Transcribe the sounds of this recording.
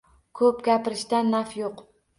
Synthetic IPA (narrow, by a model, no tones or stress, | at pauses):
kʰɵpɡʲapɪɾɪʃt̪anːafjoq